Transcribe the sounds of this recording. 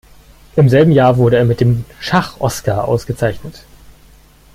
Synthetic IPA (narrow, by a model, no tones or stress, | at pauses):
ʔɪmzɛlbm̩jaːɐvʊɐɾəeːɐmɪt̚d̥eːmʃaχʔɔskaːɐʔa̰ʊsɡ̥ət͡saɪçnət